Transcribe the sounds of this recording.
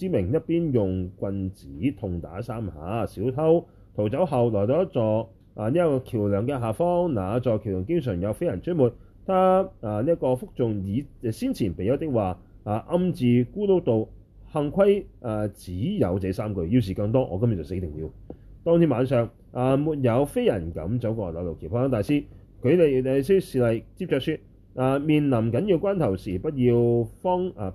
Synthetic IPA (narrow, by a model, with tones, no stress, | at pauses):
siː˨˥mɪ˨˩ŋjɐ˥t̚piː˥njʊ˨ŋkʷɐ˧nt͡si˨˥t̪ʰʊ˨˩ŋt̪a̰ː˨˥saː˥mhaː˨˥siː˨˥wt̪ʰɐ˥w | t̪ʰo˨˩wt͡sɐ˨˥wɦɐ˨wlɔː˨˩jt͡sɔː˨˥t͡sɔː˨ | ʔa˨˧niː˥jɐ˥kɔː˧kʰiː˨˩wlœː˨˩ŋkɛ˧ɦaː˨fɔː˥ŋnaː˨˧t͡sɔː˨˩jkʰi˨˩wlœː˨˩ŋkɪ˥ŋsœː˨˩ŋjɐ˨˧wfe˥jɐ˨˩nt͡ʃ̚muː˨˩t̚ | t̪ʰaː˥aː˨˧niː˥ɐ˥t̚kɔː˧fʊ˥k̚t͡sʊ˨ŋjiː˨˧˨siː˥nt͡sʰiː˨˩npe˨jɐ˨˥wt̪ɪ˥k̚waː˨˩ | aː˨˩ʔɐ˧mt͡siː˨˩kuː˥lo˥wt̪o˨˧w | hɐ˧ŋkʷʰɐ˥jʔaː˨˩t͡siː˨˥jɐ̰˨˧wt͡sɛ˨˥saː˥mkɵ˧ɥjiː˧ws̬iː˨˩kɐ˧ŋt̪ɔː˥ŋʔɔ̰ː˨˧kɐ˥mj̚t͡sɐ˨˩se˨˥t̪ɪ˨˩ŋjiː˨˧wt̪ɔː˥ŋt̪ʰiː˥maː˨˧nsœː˨˧ŋ | ʔaː˨˧muː˨t̚jɐ˨˧wfe˥jɐ˨˩nkɐ̰˨˥mt͡sɐ˨˥wkɔː˧˩lɐ˨˧lo˨wkʰi˨˩w̚ʰaː˥ŋt̪aː˨jsiː˥ | kʰɵ˨˧ɥle˨jɛ˨˧si˥siː˨˧lɐ˨jt͡si˧p̚t͡sœː˧k̚sy˧t̚ | ʔaː˨˧miː˨nlɐ˨˩mkɐ˨˥nji˧wkʷwaː˥nt̪ʰɐ˨˩wsiː˨˩pɐ˥t̚jiː˧wfɔ˥ŋa˨˧